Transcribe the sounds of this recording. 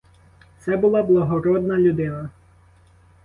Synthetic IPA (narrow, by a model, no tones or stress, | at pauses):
t̪sɛbʊlˠɑblˠɐɦɔɾɔd̪nɐlʲʊd̪ɪnɐ